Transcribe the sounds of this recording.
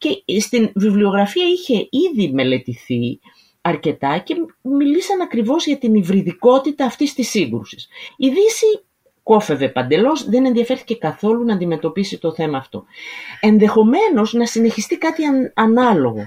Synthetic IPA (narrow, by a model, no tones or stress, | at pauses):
ce̞st̪invivlio̞ɣɾɐfiɐiçe̞iðime̞le̞t̪iθi | ɐɾce̞t̪ɐce̞milisɐnɐkɾivo̞zʝɐt̪inivɾiðiko̞t̪it̪ɐːft̪ist̪isiŋɡɾusi̥siðisi | ko̞fe̞ve̞pɐnd̪e̞lo̞zðe̞ne̞nðiɐfe̞ɾθi̥cekɐθo̞lunɐːnd̪ime̞t̪o̞pisit̪o̞θe̞mɐːft̪o̞e̞nðe̞xo̞me̞no̞znɐsine̞çist̪ikɐt̪iɐnɐlo̞ɣo̞